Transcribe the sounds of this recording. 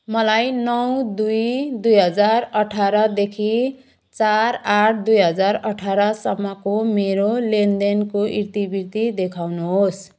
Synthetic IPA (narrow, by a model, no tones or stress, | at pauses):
mʌlajnʌwd̪ujd̪ujɦʌd͡zarʌʈʰaɾʌd̪ekʰi | t͡saɾaʈ̚ʰd̪ujɦʌd͡zaɾʌʈʰaɾʌsʌmːʌkomeɾolendenkoʔirt̪ibiɾt̪id̪ekʰawnuɦos